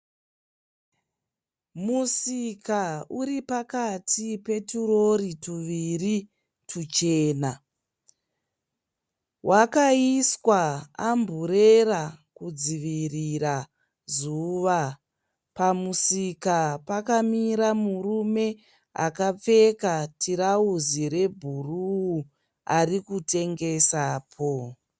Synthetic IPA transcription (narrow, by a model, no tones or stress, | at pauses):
musikauɾipakatʰipe̞turo̞ɾituʋiri | tʰut͡ʃe̞ːna | wʔakaiswaambʱuɾerakud͡ziʋiriɾa | zuʋa | pamusikapakamiɾamurume̞ | a̰kap͡fe̞katʰiɾauziɾe̞bʱuruu | arikute̞ŋɡe̞saːpʰo